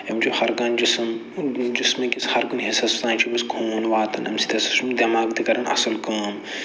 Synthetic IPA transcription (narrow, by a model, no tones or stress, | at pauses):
emt͡ʃuxɐɾkɐːnd͡ʒism | d͡ʒismɐ̃kʲisxɐɾkɐnɦisɐst̪ãːnt͡ʃʰibɐskʰuːnʋaːt̪ɐnɐ̰msi̥t̪ʰʲɐsɐ̥ʃʰumd̪ʲɐmaːkd̪ikɐɾɐnɐ̰sɐlkɐːm